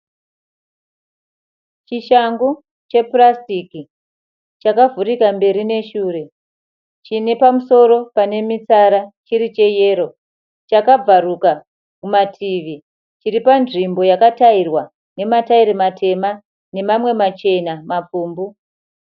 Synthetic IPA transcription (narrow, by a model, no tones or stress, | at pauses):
t͡ʃiʃaŋɡu | t͡ʃe̞prastiki | t͡ʃakavurikambe̞ɾine̞ʃuːre̞ | t͡ʃine̞pamuso̞ɾo̞pane̞mit͡saɾat͡ʃiɾit͡ʃe̞je̞ːɾo̞ | t͡ʃakab͡varuka | kumatʰiʋi | t͡ʃiɾipanʐimbo̞jakatairwa | ne̞mataiɾematʰe̞ma | ne̞mamwe̞mat͡ʃe̞namap͡fuːmbu